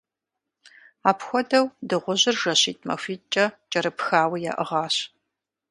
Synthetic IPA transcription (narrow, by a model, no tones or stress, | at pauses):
aːpʰxʷɔdɐwdɨʁʷʊʑɪrʒɐɕiːtʰʼmɐ̰fʷiːt͡ʃʼɐt͡ʃʼɐɾɨpxaːwija̰ːʔəʁɑːɕ